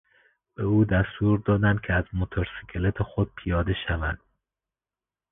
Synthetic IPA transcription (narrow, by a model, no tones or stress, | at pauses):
b̥euːd̪æst̪uːɾd̪ɒːd̪ænd̪̚cʰeæzmot̪ʰoɾsikʰelet̪ʰexod̪̥̚pʰijɒːd̪e̞ʃævæd̪̥